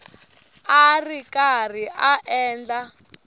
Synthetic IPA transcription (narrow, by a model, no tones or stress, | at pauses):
arikar̤iaʔɛːnd͡ɮa